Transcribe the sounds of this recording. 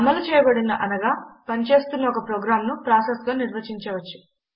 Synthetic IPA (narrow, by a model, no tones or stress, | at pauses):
ɐmɐlut͡ʃɛːjɐbɐɽinɐʔɐnɐɡaːpɐnit͡ʃe̞ːst̪unːɐɔkɐpɾoːɡɾaːmnupɾaːsesɡaːniɾʋɐt͡ʃiɲt͡ʃeʋɐt͡ʃːu̥